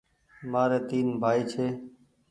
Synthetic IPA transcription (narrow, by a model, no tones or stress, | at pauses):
maːɾeːt̪iːnbʱaːiːt͡ʃʰeː